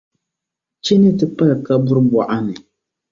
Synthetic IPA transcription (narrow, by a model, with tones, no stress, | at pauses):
t͡ʃɛ˦nɨ˦tɨ˦pa˦lka˦bʊ˦ɾɨ˦ba˨ʔa˦nɨ˨